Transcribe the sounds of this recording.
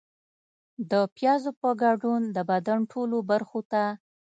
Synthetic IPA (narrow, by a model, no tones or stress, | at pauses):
d̪əpjɑzopəɡaɖund̪əbad̪aɳʈʰolobaɾxot̪a